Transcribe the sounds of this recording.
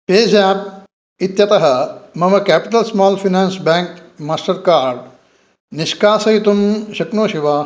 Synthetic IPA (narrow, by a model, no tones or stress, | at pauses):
peːd͡ʒaːp̚ | it̪jɐt̪ɐɦɐmɐmɐkæːpiʈ̪ɐlsmaːlfʰinaːnsbaːŋkmaːsʈɐɾkaːɾɖ | niʃkaːsɐjit̪umʃɐknoːʃiʋaː